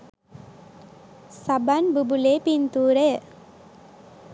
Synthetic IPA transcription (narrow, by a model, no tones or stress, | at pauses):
sabanbubuleːpint̪uːɾejə